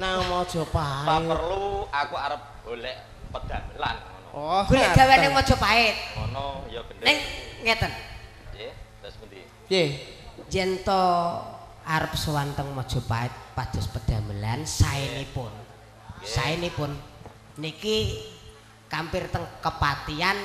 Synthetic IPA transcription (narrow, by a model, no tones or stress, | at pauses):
naŋmɔd̥ʒ̥ɔ̤paajərluakuaɾəp̚ɡ̥olɛʔ | pəd̪̥amlan | ɔɡ̥olɛʔd̥̪awannɪŋmɔd̥ʒ̥ɔ̤paɪt̪̚ɔnnɪŋŋɛt̪ən | jed͡ʒɛnt̪ɔ | aɾəp̚səwant̪əŋmɔd̥ʒ̥ɔ̤paɪt̪̚pad̪̥ɔ̤spəd̪̥ä̤məla̰nsaɪnipʊn | saɪnipʊnː | iki | kampɪrt̪əŋkəpat̪ian